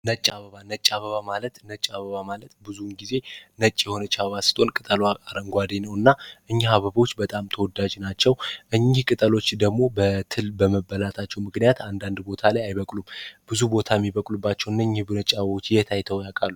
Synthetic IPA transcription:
nət͡ʃʼːaβəβanət͡ʃʼːaβəβamalət̪nət͡ʃʼaβəβamalət̪bɨzunɡize̞nət͡ʃʼːjɛho̞nət͡ʃːaββasɨ̥t̪ʰʼo̞nkʼɨt̪ʼəlwaaɾəŋɡʷad̪enəwɨnːaʔɨɲːhaβəβo̞t͡ʃːbət̪ʼamt̪ʰəwɔd̪ad͡ʒnat͡ʃːɛwʔɨɲːɪhkʼɨt̪ʼəlo̞t͡ʃːd̪əɡmo̞bət̪ʰɨlbəməbəlat̪ʰat͡ʃːɛwmɨknijat̪ʰand̪and̪bo̞t̪ʰalajajβəkʼlumb̥ɨzubo̞t̪ʰajɛmːiβəkʼlubːat͡ʃːɛwɨnːaɨɲːɪhbɨnət͡ʃʼaβəβo̞t͡ʃːjɛt̪ʰajt̪ʰəwjakʼalːu

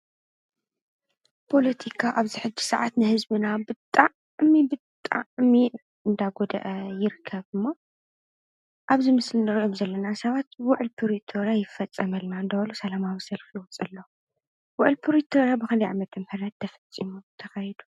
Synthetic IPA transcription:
pʰo̞lɐt̪ʰikʰaʔaβziħɨd͡ʒːi̥sɐʕat̪nɨhɨzbɨnabɨt̪ʼːaʕ | mibɨt̪ʼːa̰ʕmi | ɨnd̪aɡod̪ɐ̰ʔɐjɪɾɨkʰːɐβɨmːo | ʔaβzimɨslinɨɾʔomzɐlːɐnasɐβat̪̚bwʊʕlpʰɨɾit̪ʰoɾjajɪfɐt͡sʼːɐmɐlnaɨnd̪ɐβɐlusɐlamawisɐlfijɪwɔt͡sʼɨlːo | wʊʕɨlpʰɨɾit̪ʰoɾjabɨxɨlɐjʕa̰mɐt̪ʰɐmħɨɾɐt̪ʰːɐfɐt͡sʼːimut̪ʰɐxɐjid̪u̥

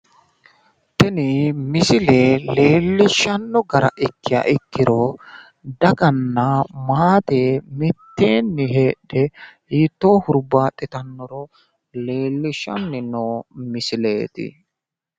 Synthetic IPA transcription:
t̪ɛnɪmɪsɪle̞ːle̞ːlːɪʃːɐnːɔɡɐɾɐ̰ʔɪkːɪjɐ̰ʔɪkːɪɾo | d̪ɐɡɐnːɐmaːt̪eːmɪt̪ːe̞ːnːɪɦe̞ːᶑɛhiːt̪ːo̞ːhʊɾbaːt̪ʼɪt̪ɐnːɔɾɔ | le̞ːlːɪʃːɐ̰nːɪnoːmɪsɪle̞ːt̪ɪ̰

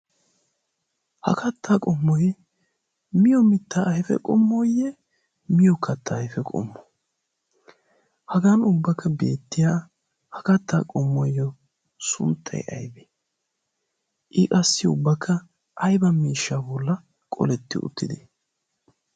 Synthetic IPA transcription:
hɐ̰kʰɐt̪ʰːaːkʼɔmːɔj | mɪjɔmɪt̪ːaːhɛfɛ̰kʼɔmːɔjɛ | mɪjɔkʰːɐt̪ʰːaːhɛfɛkʼɔ̰mːɔ̥ | hɐɡaːnʊbːɐkʰːɐbḛːt̪ːɪja | hɐkɐt̪ːaːkʼɔmːɔjːɔ | sʊ̰nt̪ʰːɐ̰jʔɐ̰jbɛ | ʔɪkʼɐsːɪʊbːɐkʰːɐ | ʔɐjbɐmiːʃːaːbɔlːɐ | kʼɔ̰lɛt̪ːɪ̰ʔʊ̰t̪ːɪd̪ɛ

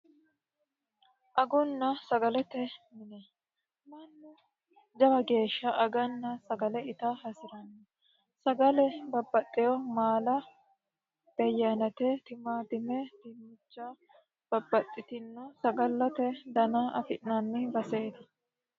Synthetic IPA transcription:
ʔɐɡʊnːɐsɐɡɐlɛt̪ɛmɪnɛ | mɐnːʊ | d͡ʒɐbɐɡe̞ːʃːɐʔɐɡɐnːɐsɐɡɐlɛɪt̪ɐhɐsɪɾɐnːɛ | sɐɡɐlɛbɐbːɐt̪ʼːɪjɔmaːlɐ | d̪̥ɐjːɐnɐt̪ɛt̪ɪmaːd̪ɪmɛd̪ɪmːʊt͡ʃːa | b̥ɐbːɐt̪ʼːɪt̪ɪnːɔsɐɡɐlːɐt̪ɛd̪ɐnaʔɐfɪʔnɐnːɪbɐseːd̪ɐ

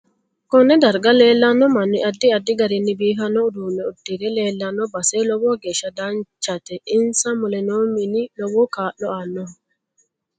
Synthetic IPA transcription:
kɔnɛd̪ɐɾɡalɛːlːanɔmanːiʔadːiadːiɡaɾinːibiːɦanɔduːnɛudːiɾɛlɛːlːanɔbasɛlɔbɔɡɛʃad̪ant͡ʃːat̪ɛʔɪnsamʊlɛnominilɔwɔkaːɗɔanːɔ

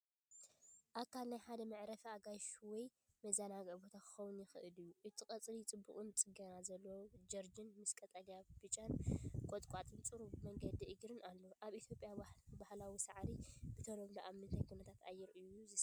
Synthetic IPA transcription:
ʔakʰalnajħad̪ɐmɐʕɾɐfaɡajʃuwɔj | mɐzanaɡbo̞t̪ʰakʰɨ̥xɐwʊnjɪxɨʔɨlɨjːuʔɨt̪ʰikʼɐt͡sʼlit͡sʼɨbːuχʼɨnt͡sʼɨɡɐɾazɐlːod͡ʒɐɾd͡ʒɨnmɨskʼɐt̪ʼalijab̥ɨt͡ʃʼankʼot̪ʼkʷʼat̪ʼɨnt͡sʼɨɾubmɐŋɡɐd̪iʔɨɡɾɨnalːoʔaβʔit̪ʰjo̞pʼjabahlawisɐʕɾibɨt̪ʰɐnoβloʔamːɨnt̪ʰajkʰunɐt̪ʰat̪ʰa̰jːɪɾɨjːuzɨ

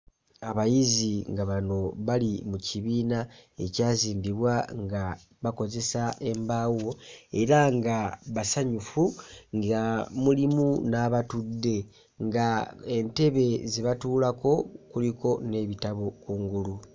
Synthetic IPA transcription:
aβajiziŋɡaβano̞βalimuciβiːnae̞caːziːmbiβwaŋɡa | βako̞ze̞sae̞mbawo̞e̞ɾaŋɡaβasaɲufuŋɡamulimunaβatudːe̞ | ŋɡae̞nte̞βe̞ziβatuːlako̞kuliko̞ne̞βitaβo̞kuːŋɡulu

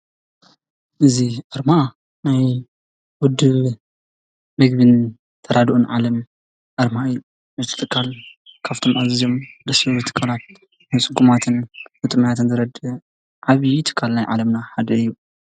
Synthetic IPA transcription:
ʔɨziʔɐɾma | naj | wʊd̪ɨβ | mɐɡbɨn | t̪ʰɐɾad̪ʔunʕa̰lɐm | ʔɐɾmaɨjːu | ɨzt̪ʰɨ̥t̪ʼɨkʰʼːalkʰaβt̪ʰo̞mʔazɨzo̞md̪ɐsiɾut̪ʰɨ̥kʰʼːalat̪̚ | nat͡sʼɨɡumat̪ʰɨnbɨt̪ʼɨmɐjat̪ʰɨnzɨɾɐd̪ɨ | ʕaβijt̪ʰɨ̥kʰːalnajʕa̰lɐmnaħad̪ɐɨjːu

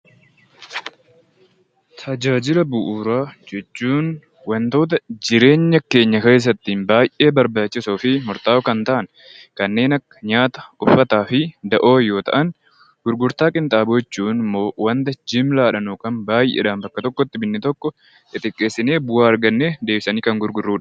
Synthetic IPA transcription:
t̪ʰɐd͡ʒaːd͡ʒɪlɐbʊʔuːɾaːd͡ʒɛt͡ʃːuːn | wɐnt̪o̞ːt̪̬ɐd͡ʒɪɾe̞ːɲːɐke̞ːɲːɐke̞ːs̬ːɐt̪ːiːnbaːjʔe̞ːbɐɾbaːt͡ʃːɪsoːfɪmʊɾt̪aːɔkɐnt̪ɐʔɐn | kɐnːe̞ːnɐkːɐ̥ɲaːt̪ɐ̥ʊfːɐt̪aːfɪd̪ɐʔo̞ːjo̞ːt̪ɐ̰ʔɐn | ɡ̥ʊɾɡʊɾt̪aːkʼɪnt̪ʼaːbʊɛt͡ʃːuːnɪmːo̞ːwɐnt̪ɐd͡ʒɪmlaːᶑɐnukɐnbaːjʔḛːᶑaːmbɐkːɐt̪ɔkːɔt̪ːɪbɪnːɪt̪ɔkːɔ | ɪt̪ʼɪkʼːe̞ːsːɪne̞ːbʊwaːɐɾɡɐnːeːd̪e̞ːbɪsɐniːkɐŋɡʊɾɡʊrːuːᶑ

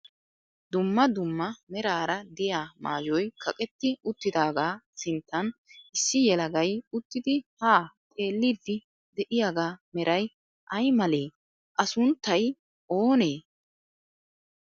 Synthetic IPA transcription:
d̪ʊmːɐd̪ʊmːɐmɛɾaːɾɐd̪ɪjaːma̰ːd͡ʒɔjkʰɐkʼɛt̪ːɪʊt̪ːɪd̪aːɡaːsɪnt̪ːɐnʔɪsːɪjɛlɐɡɐjʊt̪ːɪd̪ɪhaːt̪ʼe̞ːlːid̪ːɪ | d̪ɛʔɪjaːɡaːmɛɾʔɐj | ʔɐjmɐleː | ʔɐsʊnt̪ːɐj | ʔoːne̞ː

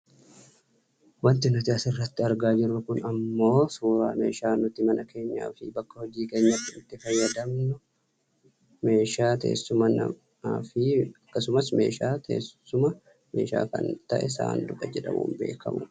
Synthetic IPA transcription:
wɐnt̪ɪnʊt̪ɪɐsɪrːɐt̪ːɪɐɾɡaːd͡ʒɪɾʊkʊnɐmːo̞ːsuːɾa̰ːme̞ːʃaːnʊt̪ɪmɐnɐke̞ːɲːa̰ːfɪbɐkːɐhɔd͡ʒiːke̞ːɲːɐt̪ːɪɪt̪ːɪfɐjːɐd̪ɐmnʊ | me̞ːʃaːt̪ḛːsːʊmɐnɐ̰ | aːfɪɐkːɐsʊmɐsme̞ːʃaːt̪ʰḛːsʊmɐ | me̞ːʃa̰ːkɐ̰nt̪ɐʔɛsa̰ːnd̪ʊkɐd͡ʒɛᶑɐ̰mṵːmbe̞ːkʰɐ̰mʊ

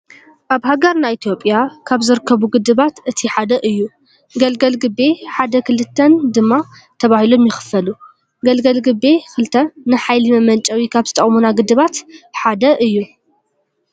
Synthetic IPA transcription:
ʔaβɦaɡɐɾnajit̪ʰijo̞pʼjakʰaβzɨɾɨkʰːɐβuɡɨd̪ɨβat̪ʔɨt̪ʰiħad̪ɐʔɨjːu | ɡɐlɡɐlɡɨbe̞ħad̪ɐkʰɨlɨt̪ʰːɐnd̪ɨmːa | t̪ʰɐβahilo̞mjɪxɨ̥fɐlu | ɡɐlɡɐlɡɨbe̞kʰɨlɨt̪ʰɐnɨħajlimɐmɐnt͡ʃʼɐwikʰaβzɨt̪ʰɐχʼmunaɡɨd̪ɨβat̪ħad̪ɐʔɨjːu

